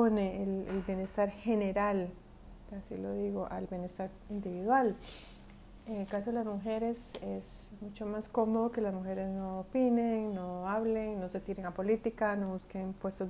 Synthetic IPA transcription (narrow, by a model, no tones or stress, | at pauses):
oneelelbje̞nest̪aɾxe̞ne̞ɾal | asḭloðiɣoʔa̰lbjenest̪aɾ | ind̪iβiðwal | eŋelkasoelazmuxe̞ɾe̞ses | mut͡ʃomasko̞mo̞ðokelazmuxe̞ɾe̞zno̞ːpineŋnoaβleŋno̞se̞t̪iɾeŋapo̞lit̪ikano̞βuskeŋpwe̞st̪o